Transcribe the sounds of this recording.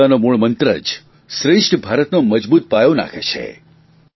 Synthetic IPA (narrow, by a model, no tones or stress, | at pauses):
anomuɭmənt̪ɾə̰d͡ʒ | ʃɾɪʂʈʰbʱaɾət̪noməd͡ʒbut̪̚pajõna̰kʰet͡ʃʰḛ